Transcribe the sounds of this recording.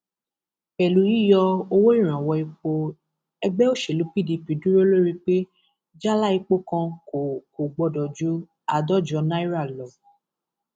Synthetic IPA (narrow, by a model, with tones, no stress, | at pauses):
ɛ˨lu˨˦ji˦˨jɔ˧o˧wo˦i˦˨ɾ̃ã˨wɔ˧i˧k͡po˧ | ɛ˧ɡ͡bɛ˦o˦˨ʃe˨lu˨˦pi˦˨di˧pi˨dũ˦ɾo˦lo˦ɾi˧k͡pe˦ | d͡ʒa˦la˦i˧k͡po˦kã˧ko˨ko˨ɡ͡bɔ˧dɔ˨d͡ʒu˨˦ | a˨dɔ˦˨d͡ʒɔ˧˦nã˦i˦ɾa˦˨lɔ˨